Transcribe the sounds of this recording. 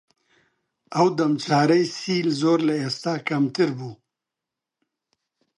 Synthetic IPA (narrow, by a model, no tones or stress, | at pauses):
awd̪ɐmt͡saːɾəjsiːlzoːɾlaast̪akɐmt̪ɪɾbu